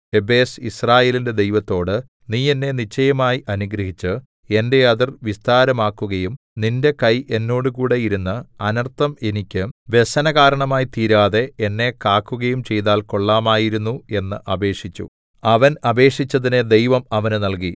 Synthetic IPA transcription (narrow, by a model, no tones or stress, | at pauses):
ebe̞ːsisraːje̞ːlinde̞d̪e̞jʋɐt̪ːo̞ːɽɨ | niːe̞nːe̞nit͡ɕːɐjɐmaːjiʔɐnuɡɾɐɦit͡ɕːɨ | e̞nde̞ɐðirʋist̪aːɾɐmaːkːuɣɐjum | ninde̞kɐjʔe̞nːo̞ːɽɨkuːɽe̞jiɾunːɐɐnɐrt̪ːɐme̞nikʲːɨʋe̞sɐnɐɣaːɾɐɳɐmaːjt̪iːɾaːðe̞enːe̞kaːkːuɣɐjumt͡ɕe̞jt̪aːlko̞ɭːaːmaːjiɾunːue̞nːɨʔɐbe̞ːʂit͡ɕːṵ | ɐʋɐnɐbe̞ːʂit͡ɕːɐðined̪e̞jʋɐmɐʋɐnɨnɐlk̬i